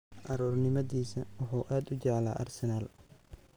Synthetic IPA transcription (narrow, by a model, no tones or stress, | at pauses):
ʔɐɾuːrnɪmɐðiːsɐwʊħʊːʔaːd̪ʊd͡ʒɐʕla̰ːʔɐ̰rsɛnaːl